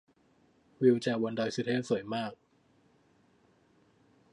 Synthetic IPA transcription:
wi˧wt͡ɕɛː˧˩wa˧ndɔː˧jsi˧t̪ʰeː˥˩su˨˩˦jmaː˥˩k̚

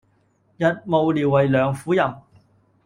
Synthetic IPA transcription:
jɐ˨t̚mo˨˧wliː˨˩wːɐ˨jlœː˨˧ŋfuː˨˥jɐ˨m

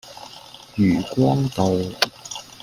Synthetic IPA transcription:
jyː˨˩kwɔː˥ŋt̪o˨w

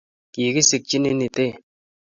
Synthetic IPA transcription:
ki˨ki˦si˨k̚t͡ʃi˦ni˦ni˨te˦˨

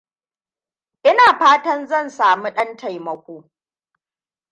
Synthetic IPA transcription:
ʔɪ˦naː˨ɸaː˦tɐ˦nzɐ˦˨nsaː˨mu˦ɗɐ˦ntʰa˨jmɐ˨kʷoː˦

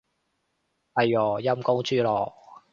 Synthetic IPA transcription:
hɐ˨˩jɔː˨˩jɐ˥mko˥ŋt͡ʃyː˥lɔː˨˩

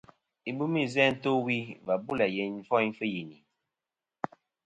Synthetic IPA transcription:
i˨bu˦mi˦zɛ˦n̩˦to˦wi˦va˨bu˦lɛ˨jɛ˨ɱ˦fɔ˦jɱ˦fə˦ji˨ni˨

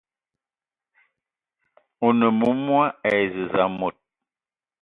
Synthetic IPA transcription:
o˨nə˨mu˦mwa˦ɛ˨zə˨za˨mo˨t̚

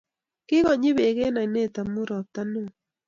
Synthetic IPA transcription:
kɪ˦ɣɔ˨ɲi˦βe˨ɣe˦na˨i˨ne˦˨ta˨mu˦ɾɔ˨p̚ta˦no˦˨

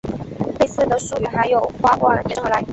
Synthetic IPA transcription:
le˥˧ɪsɹ̩˥˩d̪ə˩ʂu˥˩y˨˩xa˧˥ɪjo˨˩ʊxwa˥kwa˥˩˨t͡ɕɛ˥˩la˧˥

